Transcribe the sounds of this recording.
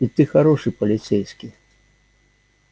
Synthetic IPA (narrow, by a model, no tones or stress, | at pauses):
it̪ɨxaɾɔʂɨpɐlʲit̪sɛjskʲi